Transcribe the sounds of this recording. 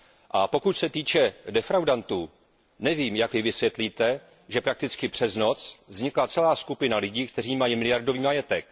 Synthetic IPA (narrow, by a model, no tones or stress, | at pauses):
ʔapo̞kucsɛt̪iːt͡ʃɛdɛfɾawdant̪uː | nɛviːmjakvɪvɪsvjɛt̪liːt̪ɛ | ʒɛpɾak̚t̪ɪt͡skɪpr̝̥ɛzno̞t͡svzɲɪklat͡sɛlaːskupɪnalɪɟiːkt̪ɛr̝iːmajimɪlɪjaɾdo̞viːmajɛt̪ɛk